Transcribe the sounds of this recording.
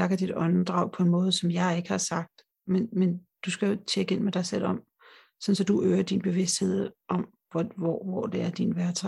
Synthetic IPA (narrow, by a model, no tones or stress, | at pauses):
j̥ɑ̈kʰæd̥id̥ɒ̽nd̥ʁɑ̈ʊpʰɒ̽e̝nmɔ̽ːð̞̩ˠəsɒ̽mjɑ̈ɪe̝ɡ̥əhɑ̈sɑ̈ɡ̥̚d̥ | menmend̥usɡ̥æjo̝t͡ɕʰeɡ̥əe̝n̰med̥ɑ̈ɪsel̰ɒ̽m̰ | sɒ̽n̩sɒ̽d̥uʔøːɐd̥inb̥e̝ʋe̝sd̥he̝ð̞̰ˠʔɒ̽m | ʋɒ̰ʋɒd̥e̝æɐd̥inʋæɐt͡sʰɑ